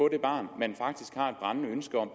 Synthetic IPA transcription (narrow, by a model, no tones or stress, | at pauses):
ɔ̽d̥e̝b̥ɑ̰̈ːnmenfɑ̈ɡ̥̚d̥isɡ̥hɑ̈ːed̥̚b̥ʁɑ̈nnəønsɡ̥ɐɒ̽m